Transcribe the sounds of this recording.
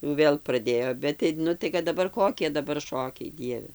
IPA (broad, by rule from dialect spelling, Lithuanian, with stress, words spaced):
jʊ ˈʋʲeːlˠ prɐˈdʲeːjoː ˈbʲɛt tɐɪ ˈnʊ tɐɪ kɐt dɐˈbɐr ˈkoːkʲiɛ dɐˈbɐr ˈʃoːkʲɛɪ ˈdʲiɛʋʲɛ